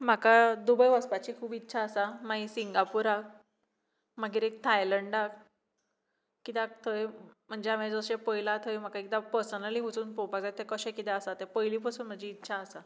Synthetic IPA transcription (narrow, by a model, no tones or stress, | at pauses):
m̤akad̪ubəjʋəspat͡ɕiːkʰuːbitːɕʰaəsamaisiŋɡapuɾak̚ | maɡiːɾek̚t̪ʰajləɳɖak | kit̪ak̚t̪ʰəjm̤əɳd͡ʑeamed͡zəɕepəjlat̪ʰəjm̤akakit̪apəɾsənəliɦut͡suːnpowpakd͡zat̪ʰːekəɕẽkit̪ɛəsat̪epəjlipəsuːnm̤əɳd͡ʑiːtːɕʰaəsa